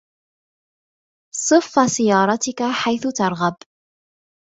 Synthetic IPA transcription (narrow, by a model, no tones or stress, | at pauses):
sˤɨfːasɪjɑːɾˤɑt̪ɪkaħajθʊt̪ɑɾˤɣab